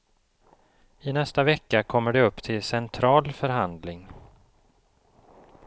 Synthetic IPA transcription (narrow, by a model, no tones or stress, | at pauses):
ɪnɛst̪avɛkːakʰɔmːəɖɛɵpːt̪ʰɪlsɛnt̪ʰɾɑːlfœɾɦand̪lɪŋ